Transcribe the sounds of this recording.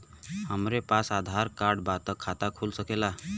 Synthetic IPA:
həmɾepasad̪ʱaɾkaɾɖbat̪əkʰat̪akʰulsəkela

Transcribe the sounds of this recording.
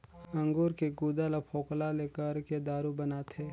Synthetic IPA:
ɐ̃ŋɡuːɾkeɡuːd̪alapʰoːklaleːkəɾked̪aːɾubɐnaːt̪ʰeː

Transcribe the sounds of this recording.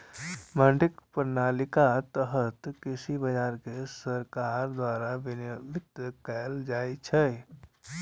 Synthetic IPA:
mə̃ɳɖɪkpəɾnaːlɪkat̪əɦət̪kɪsibəd͡ʒaːɾkesəɾkaːɾd̪waːɾaʋnʋɪt̪əkəld͡ʒaːit͡ʃʰɛ

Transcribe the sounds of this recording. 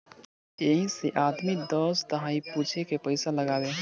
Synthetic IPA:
eɦĩseʔaːd̪mid̪ɔːst̪əɦãːipuːt͡ʃʰekepəɪsaləɡaːbe

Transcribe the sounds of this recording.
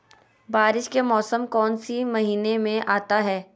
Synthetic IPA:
baːɾɪʃkemɔːsəmkɔːnsimɐɦiːnemẽʔaːt̪aɦɛː

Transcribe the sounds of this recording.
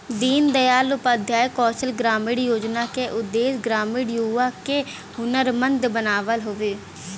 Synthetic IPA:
d̪iːnd̪əjaːlʊpəd̪ʱjaːekɔːsəlɡɾaːmɪɽjoːd͡ʒnaːkeʔʊd̪ːeːsɡɾaːmɪɽjuːʋaːkeː | ʊnəɾmənd̪bənaːʋəlɦoːʋeː

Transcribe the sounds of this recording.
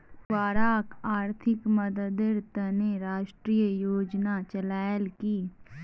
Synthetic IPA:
waːɾaːkaːɾt̪ʰɪkməd̪əd̪ɪɾt̪əneɾaːʃʈɾiːjəjoːd͡ʒnat͡ʃəlaːjəlkiː

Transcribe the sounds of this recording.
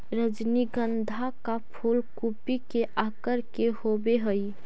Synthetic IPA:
ɾəd͡ʒniɡənd̪ʱakapʰolkupikeʔakəɾkehobeɦəj

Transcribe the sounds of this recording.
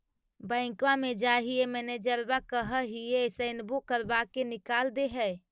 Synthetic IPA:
bə̃ɪ̃kʋamed͡ʒaɦiemɛned͡ʒəɾbakəɦəɦiesəɪnbukəɾbakenikald̪eɦɛ

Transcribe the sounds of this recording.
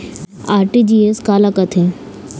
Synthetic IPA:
aːɾʈid͡ʒieskaːlakɐt̪ʰẽ

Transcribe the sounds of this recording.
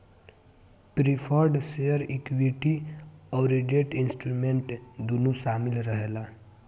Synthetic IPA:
pɾipʰɔɾɖseəɾikʋiʈiɔːɾid͡ʒeʈɪnsʈɾumẽɳʈd̪unusaːmɪlɾəɦeːlaː

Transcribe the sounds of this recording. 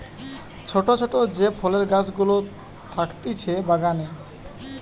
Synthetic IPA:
t͡ɕʰoʈot͡ɕʰoʈod͡ʑepʰɔleɾɡat͡ɕɡulo | t̪ʰakt̪it͡ɕʰebaɡane

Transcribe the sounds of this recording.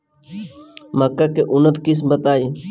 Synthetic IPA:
məkːaːkeʔʊnət̪kɪs̬bət̪aːiː

